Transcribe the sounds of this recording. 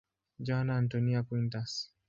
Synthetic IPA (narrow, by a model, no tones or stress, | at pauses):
d͡ʒanaːntɔniakwintas